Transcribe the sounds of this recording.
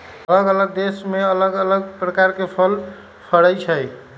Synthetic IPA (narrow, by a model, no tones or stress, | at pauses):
ələɡələɡ̚d̪esmeələɡələɡ̚pɾəkaɾkepʰəl | pʰəɽəjt͡ʃʰəj